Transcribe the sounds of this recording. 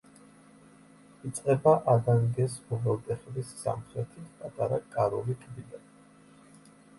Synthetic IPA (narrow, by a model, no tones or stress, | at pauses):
it̪sʼqʼɛbaʔad̪aŋɡɛsɔvɛlˠd̪ɛχlisːa̰mχɾɛt̪ʰit̪ʰpʼat̪ʼaɾakʼaɾɔlit̪ʼb̪id̪an